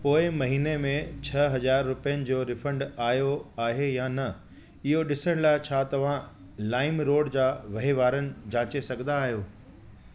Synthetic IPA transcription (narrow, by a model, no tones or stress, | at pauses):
poːɪmɐɦiːnemẽt͡ɕʰɐɦɐzaːɾːʊpijənɪ̆d͡ʑoːɾɪfə̃ɳɖaːɦjoaːɦejanɐ | ɪɦoɗɪsəɽ̃laːɪt͡ɕʰaːt̪ɐʋ̤ã | laːɪmɾoːɽd͡ʑaːʋɐɦiʋaːɾənɪ̆d͡ʑãːt͡ɕesɐɡʱə̃nd̪aːɦijoː